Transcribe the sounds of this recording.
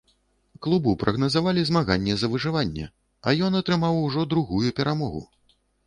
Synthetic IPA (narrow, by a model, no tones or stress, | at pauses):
klˠubupɾʔɐɣnɐzavalʲizmaɣanʲːɛzɐvɨʐɨvanʲːɛ̰ | ɐjɔnɐt̪ɾɨmawuʐɔd̪ɾuɣujupʲɛɾʔamɔɣṵ